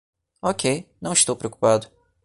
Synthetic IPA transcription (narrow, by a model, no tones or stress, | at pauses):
ɔkʰejnɐ̃w̃ist̪owpɾeoku̥pad̪ʊ